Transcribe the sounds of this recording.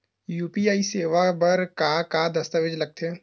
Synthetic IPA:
juːpiaːiseːʋabəɾkakad̪ɐst̪aʋed͡ʒlɐɡ̚t̪ʰẽ

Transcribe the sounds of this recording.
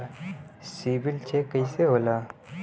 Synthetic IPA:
siːbɪlt͡ʃʰekəiseɦoːlaː

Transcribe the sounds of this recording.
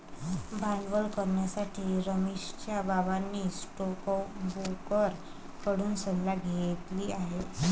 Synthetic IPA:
bʱanʋəlkəɾɳjasaʈʰiːɾəmiʂt͡ɕjabaʋanːiːsʈokbokəɾ | kəɽuːnsəllaɡʱejet̪liːaɦe

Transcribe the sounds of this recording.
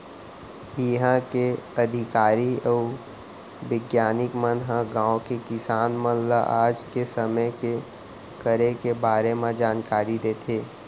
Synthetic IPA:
jiɦãkeɐd̪ʱɪkaːɾiɔː | ʋɪɡjaːnɪkmənɦə̃ɡãːõkekɪsaːnmə̃nlaʔaːd͡ʒkesəməjke | kəɾekebaːɾemẽd͡ʒaːnkaːɾid̪eːt̪ʰeː

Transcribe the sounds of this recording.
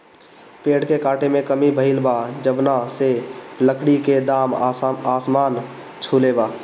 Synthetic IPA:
peɽkekaʈʰemekəmibʱəɦilbad͡ʒəbnaseləkɽiked̪amasman | t͡ʃʰuleba

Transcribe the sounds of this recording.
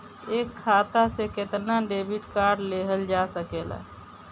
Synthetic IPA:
eːkʰːaːt̪aseket̪naɖebiʈkaːɾɖleɦəld͡ʒasəkeːla̰

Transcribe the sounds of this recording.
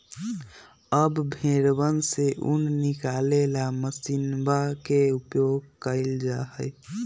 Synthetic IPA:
əbbʱeɾbənseʔṵnnɪkalelaməsinbakeupjoɡkəɪld͡ʒaɦəj

